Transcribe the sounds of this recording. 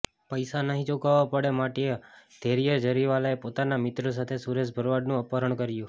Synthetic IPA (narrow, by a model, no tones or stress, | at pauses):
pəjsanəɦĩd͡ʒokaʋapəɽemaʈied̪̥ʱeɾijəɾd͡ʒəɾiʋalaepot̪anamɪt̪ɾos̬at̪ʰesuɾesbʱəɾʋaɖnũəpəɾəɳkəɾjũ